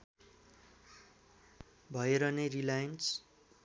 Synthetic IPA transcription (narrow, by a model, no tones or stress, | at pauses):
bʱʌeɾʌnerilajʌns